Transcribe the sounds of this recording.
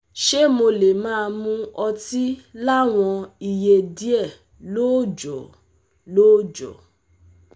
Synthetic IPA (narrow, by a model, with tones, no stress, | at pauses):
ʃe˦mo˧le˨mãː˦˧mũ˦ɔ˧ti˦la˦w̃ɔ̃˧i˨je˧˨di˦ɛ˦˨ | lo˦˨d͡ʒɔ˨ | lo˦˨d͡ʒɔ̰˨